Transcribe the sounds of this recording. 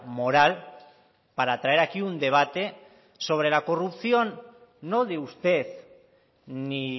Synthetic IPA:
mo̞ɾal | paɾat̪ɾaeɾakiund̪e̞β̞at̪e̞ | so̞β̞ɾe̞lako̞rupsio̞nː | o̞ðeust̪e̞s | ni

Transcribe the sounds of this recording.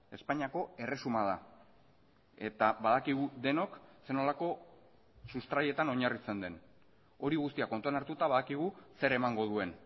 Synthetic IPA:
e̞spaɲiako̞e̞re̞sumað̞a | e̞t̪aβaðakiɣud̪e̞no̞kse̞no̞lako̞ | sust̪ɾaje̞t̪ano̞ɲarit͡se̞nd̪e̞n | o̞ɾiɣust̪iakont̪uanaɾt̪ut̪aβaðakiɣ̞use̞ɾe̞maŋɡo̞ð̞ue̞n

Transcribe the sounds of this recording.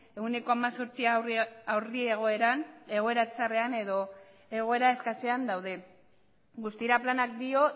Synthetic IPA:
e̞une̞ko̞amaso̞ɾt͡siawrie̞ɣ̞o̞e̞ɾane̞ɣ̞o̞e̞ɾat͡sare̞ane̞ðo̞ | e̞ɣ̞o̞e̞ɾae̞skaseand̪awðe̞ | ɡust̪iɾaplanak̚d̪io̞

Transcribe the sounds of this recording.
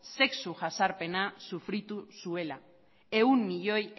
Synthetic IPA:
se̞ksuʝasaɾpe̞nasufɾit̪usue̞la | e̞umːiʎo̞j

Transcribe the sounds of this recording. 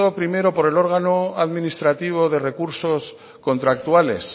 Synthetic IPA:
opɾime̞ɾo̞po̞ɾe̞lo̞ɾɣ̞ano̞aðmĩnist̪ɾat̪iβ̞o̞ðe̞re̞kuɾso̞s | ko̞nt̪ɾak̚t̪uale̞̰s

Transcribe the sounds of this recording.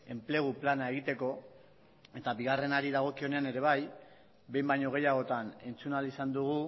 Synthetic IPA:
e̞mple̞ɣ̞uplanae̞ɣ̞it̪e̞ko̞ | e̞t̪aβiɣ̞are̞naɾiðaɣ̞o̞kio̞ne̞ane̞ɾe̞β̞aj | be̞jmbajɲo̞ɣ̞e̞jaɣo̞t̪ane̞nt͡sunalisand̪uɣ̞u

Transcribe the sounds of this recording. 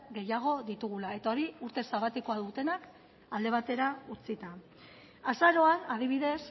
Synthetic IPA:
ɡe̞jaɣ̞o̞ðit̪uɣulae̞t̪ao̞ɾiuɾt̪esaβat̪iko̞aðut̪e̞nak | ald̪e̞β̞at̪e̞ɾaut͡sit̪a | asaɾo̞aað̞iβ̞iðe̞s

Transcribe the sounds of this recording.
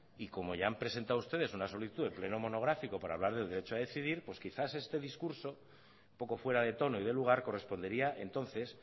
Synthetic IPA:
iko̞mo̞ʝaampɾe̞se̞nt̪awust̪e̞ðe̞sunaso̞liθit̪uðeple̞nomo̞no̞ɣ̞ɾafiko̞paɾaːβlaɾðe̞ld̪eɾe̞t͡ʃoað̞e̞θiðiɾpwe̞skiθase̞st̪e̞ðiskuɾso̞ | po̞ko̞fwe̞ɾaðe̞t̪o̞no̞iðe̞luɣ̞aɾko̞re̞spo̞nd̪eɾiaʔe̞nt̪o̞nθe̞s

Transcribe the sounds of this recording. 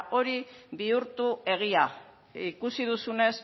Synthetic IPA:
ʔo̞ɾiβiuɾt̪ue̞ɣ̞ia | ikusið̞usune̞s

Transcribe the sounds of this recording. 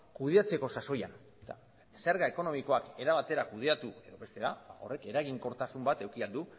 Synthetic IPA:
kuðeat͡se̞ko̞saso̞jan | t̪a̰ | seɾɣae̞ko̞no̞miko̞ake̞ɾaβ̞at̪e̞ɾakuð̞e̞at̪ue̞ðo̞βe̞st̪e̞ɾaba̰o̞̰re̞ke̞ɾaɣiŋko̞ɾt̪asumbat̪e̞wkiald̪u

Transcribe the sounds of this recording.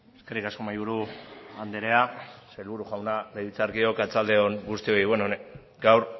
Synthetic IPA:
eskerikasko̞majβuɾuand̪eɾe̞aselβuɾuʝawnalejðit͡saɾkio̞kat͡sald̪e̞onɡust̪io̞iβwenone | ɡawɾ

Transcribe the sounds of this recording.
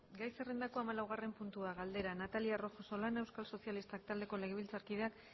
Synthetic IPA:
ɡajse̞rend̪ako̞amalawɣ̞are̞mpunt̪uaɣald̪e̞ɾanat̪aliaro̞xo̞so̞lane̞wskalso̞sialist̪ak̚t̪ald̪e̞ko̞le̞ɣeβilt͡saɾkið̞eak

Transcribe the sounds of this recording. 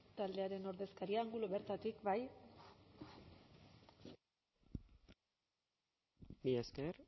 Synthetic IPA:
t̪ald̪e̞aɾe̞no̞ɾðe̞skaɾiaːŋɡuloβe̞ɾt̪at̪ikbaj | bieskeɾ

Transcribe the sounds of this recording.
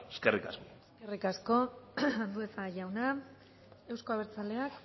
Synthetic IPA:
eskerika̰sko̥eskerikasko̞and̪ue̞saʝawna | e̞wsko̞aβ̞e̞ɾt͡sale̞ak

